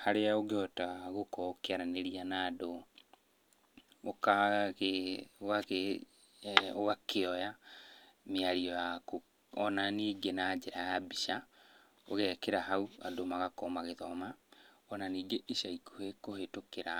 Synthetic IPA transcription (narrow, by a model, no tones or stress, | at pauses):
haɾeaoɣeɔtaɣokɔkeaɾaneɾianaːdo | kaɣeɣake | oɣakeɔja | meaɾiɔjako | ɔnaniːɡenaːd͡ʒeɾajabiʃa | o̰ɣɛkeɾahaua̰domaɣakɔmaɣeðɔma | ɔnaniːɡeʔiʃaikohekohetokeɾa